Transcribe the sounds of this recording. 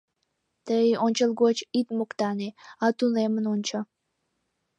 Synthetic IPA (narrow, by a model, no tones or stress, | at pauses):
t̪əjonʲt͡ɕəlˠɡot͡ɕit̪mokt̪ɑneɑt̪unemənonʲt͡ɕə